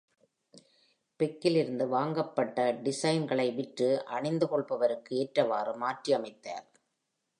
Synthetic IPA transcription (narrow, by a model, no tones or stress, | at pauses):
pɛkːɪlɪɾɯnd̪ɯʋaːŋɡɐpːɐʈːɐɖɪsɐjnɡɐɭɐɪʋɪʈrɯʔɐɳɪnd̪ɯkɔɭpɐʋɐɾɯkːɯeːʈrɐʋaːrɯmaːʈriɐmɐɪt̪ːa̰ːɾ